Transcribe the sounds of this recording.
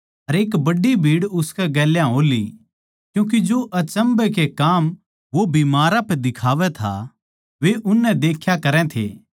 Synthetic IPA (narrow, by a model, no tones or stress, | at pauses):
ɐɾeːkbɐɖːibʱiːɽʊskɛɡɛːljãɦoːli | kjũːk̬id͡ʒoʔɐt͡ʃɐ̃mbɛkekaːm | ʋobiːmaːɾapɛd̪ɪkʰaːʋɛt̪ʰa̰ | ʋeʔʊnːɛd̪eːkʰjakɐɾɛ̃t̪ʰḛː